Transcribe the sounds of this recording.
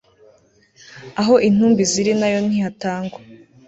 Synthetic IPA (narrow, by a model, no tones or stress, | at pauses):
aɦo̞ʔin̥uːmbiziɾinajo̞n̥hihataːŋɡwe